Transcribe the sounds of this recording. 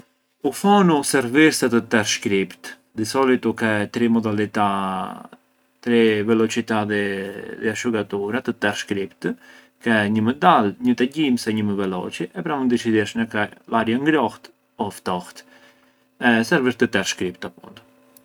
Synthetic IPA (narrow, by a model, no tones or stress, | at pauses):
ufɔnusɛɾviɾsɛt̪ət̪ɛɾʃkɾipt̪ | d̪isɔlit̪ukɛt̪ɾimɔd̪alit̪a | t̪ɾivɛlɔt͡ʃit̪aðɛðɛaʃuɡat̪uɾat̪ət̪ɛɾʃkɾipt̪ | kɛɲəməd̪alɲət̪ɛɟimsɛɲəməvɛlɔ̰t͡ʃiʔɛpɾamund̪it͡ʃid̪ɛʃnakɛlaɾjaŋɡɾɔht̪ | ɔft̪ɔht̪ | ɛsɛɾviɾt̪ət̪ɛɾʃkɾip̚t̪apṵnd̪